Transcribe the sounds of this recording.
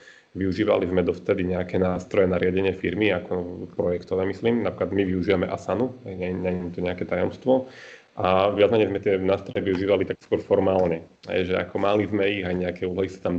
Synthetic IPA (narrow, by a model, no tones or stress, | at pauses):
ʋiuʒiːʋa̰lizmɛd̪ɔft̪ɛd̪iɲɛakɛnaːst̪ɾɔjɛnaɾɪaɟɛɲɪɛfiɾmiakɔpɾɔjɛkt̪ɔʋɛːmisliːmnapɾiklad̪miʋiuʒiːʋamɛʔasanuɦɛjɲɛɲɛnɛmt̪ɔɲɛakɛt̪ajɔmst̪ʋɔ | ʔaʋɪad͡zmɛɲɛjzmɛt̪ɪɛnaːst̪ɾɔjɛʋiuʒiːʋalit̪akskwʊɔɾfɔɾmaːlɲɛɦɛ̰jʒɛa̰kɔmalizmɛiɣajɲɛakɛuːlɔɦisḁt̪am